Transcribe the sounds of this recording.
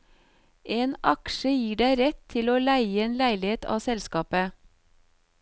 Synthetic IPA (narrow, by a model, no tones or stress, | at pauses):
ʔeːnʔɑkʃəjiːɖæɪɾɛt̪ʰɪloːlæɪeːnlæɪlɪeːt̪ʰɑ̰ːsɛlskɑːpə